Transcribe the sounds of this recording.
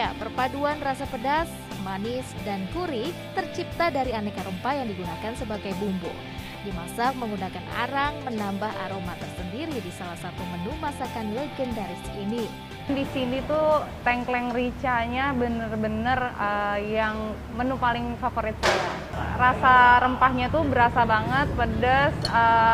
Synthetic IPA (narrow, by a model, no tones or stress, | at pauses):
japərpaduanrasapədas | manɪsdankuɾit̪ərt͡ʃip̚t̪adaɾianɛkaɾəmpajaŋdiɡunakansəbaɡajbumbʊ̰l | dimasak̚məŋɡunakana̰ɾaŋmənambaɦa̰ɾomat̪ərsəndiɾidisalahsat̪umənumasakanlɛɡɛndaɾiskini | ndisinit̪ut̪ɛŋklɛŋrit͡ʃaɲabənərbənərəjaŋ | mənupalɪŋfafoɾɪt̪̚ia | rasaɾəmpahɲat̪ubəɾasabaŋət̪̚pədəsə